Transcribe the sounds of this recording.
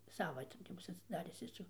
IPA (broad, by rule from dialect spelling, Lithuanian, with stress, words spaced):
ˈsɑːʋɐ tʲɪ tʲɪ ˈbʊs ɐtʲsʲɪˈdɑːrʲɪs ˈjɪs jɛʊ